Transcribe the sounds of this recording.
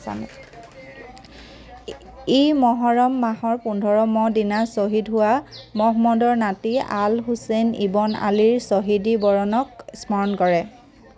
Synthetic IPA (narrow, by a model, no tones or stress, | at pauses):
a̰n̰ | imɔɦɔɹɔmːaɦɔɹpundʱɔɹɔmɔdinasoɦidɦʊwamɔɦmɔdɔɹnatialɦusenḭbɔna̰liɹsoɦidibɔɹɔnɔksmɔɹɔnkɔɹɛ